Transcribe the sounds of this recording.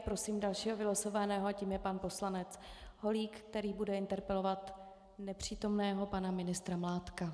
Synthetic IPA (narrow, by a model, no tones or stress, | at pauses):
pɾo̞siːmdalʃiːɦovɪlosovanɛːɦoaciːmjɛpanpo̞slanɛt͡s | ho̞liːkkt̪ɛɾiːbudɛɪnt̪ɛɾpɛlo̞vat̪ | nɛpr̝̥iːt̪o̞mnɛːɦo̞panamɪnɪst̪ɾamlaːt̪ka